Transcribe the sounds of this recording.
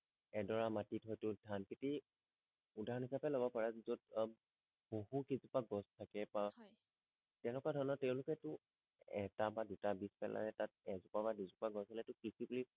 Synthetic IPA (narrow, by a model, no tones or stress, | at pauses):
ɛdɔɹamatitɦɔjtʊdʱankʰiti | udʱaɹɔnɦisapɛlobɔpaɹazod | boɦukizupaɡɔstʰakɛpaj | tɛ̃nɛkwadʱɔɹnɔtɛʊ̃lʊkɛtʊ | ɛtabadutabispɛ̰lʔa̰nɛtat̚ɛzʊpabadizupaɡɔsɔlɛtʊkɹisibuli